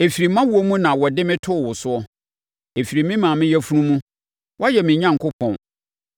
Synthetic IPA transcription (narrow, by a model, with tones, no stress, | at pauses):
e˨fi˨ɾi˨mã˦wu˨o˦mũ˦nã˨wɔ˨dɪ˦mɪ̃˦tʰʊ˦˨wʊ˨sʊ˦ɔ˦ | e˨fi˨ɾi˨mɪ̃˦mãː˨mɪ̃˦jɛ˦fu˦nũ˦mũ˦ | wʔɔ˦jɛ˨mɪ̃˨ɲã˦ŋ˨kʰʊ˦pʰɔ̃˨n